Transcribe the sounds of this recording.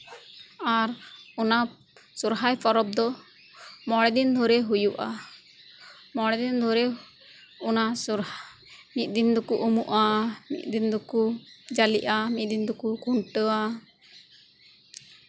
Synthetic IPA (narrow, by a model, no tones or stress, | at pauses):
aɾɔna | suɾɦajpʰɔɾɔb̚d̪ɔ | mɔɽɛd̪ind̪ʱɔɾɛɦujuʔa | mɔɽɛd̪ind̪ʱɔɾɛ | ɔnasuɾmit̪̚ˀd̪ind̪ɔkuʔumuʔamḭt̪̚ˀd̪ind̪ɔkud͡ʒaliʔamit̪̚d̪ind̪ɔkukuɳʈəa